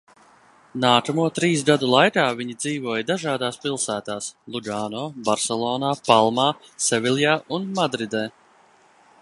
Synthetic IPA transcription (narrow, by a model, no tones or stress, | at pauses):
naːkamuɔt̪ɾiːsɡad̪ulˠajkaːviɲid̪ziːvuɔjd̪aʒaːd̪aːspilˠsæːt̪aːslˠuɡaːnɔːbaɾsɛlˠɔːnaːpalˠmaːsɛvʲilʲˠjaːʔunmad̪ɾid̪ɛː